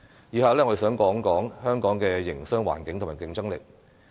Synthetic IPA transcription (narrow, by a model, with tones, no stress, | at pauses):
jiː˨˧haː˨˧wlɛː˥ŋɔː˧e˧sœː˨˥ŋkɔː˨˥ŋkɔː˨˥ŋhœː˥ŋkɔː˨˥ŋkɛː˧jɪ˨˩ŋsœː˥ŋwa̰ː˨˩nkɪ˨˥ŋt̪ʰmːaː˨˩kɪ˨˥ŋt͡sɐ˥ŋlɪ˨k̚